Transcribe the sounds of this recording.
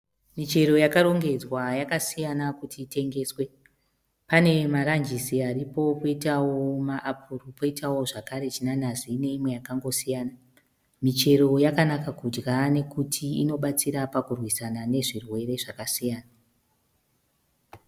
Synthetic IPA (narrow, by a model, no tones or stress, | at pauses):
mit͡ʃe̞ɾo̞jakaɾo̞ŋɡe̞d͡zwajakasijanakutʰiːte̞ŋɡe̞ːswe̞ | pane̞maɾand͡ʒisiaɾipo̞poitawomaʔapʰurupo̞itʰawo̞ʐakaɾe̞t͡ʃinanazine̞imwe̞jakaŋɡo̞sijaːna | mit͡ʃe̞ɾo̞jakanakakud͡ʒɡane̞kutʰiino̞ɓat͡siɾapakurwisanane̞ʐirwe̞ɾe̞ʐakasijaːna